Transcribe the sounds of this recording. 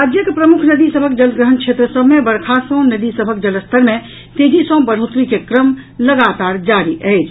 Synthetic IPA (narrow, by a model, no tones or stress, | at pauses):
ɾad͡ʒjəkepɾəmukʰnəd̪isəbʱəkd͡ʒəlɡɾəɦənkʰet̪ɾəsəbʱmebəɾkʰasə̃nəd̪isəbʱək̚d͡ʒələst̪ʰəɾmẽ | t̪ed͡ʒisə̃bəɾ̤ɦot̪ɾikekɾəmləɡat̪aɾd͡ʒaɾiʔəɪt͡ʃʰ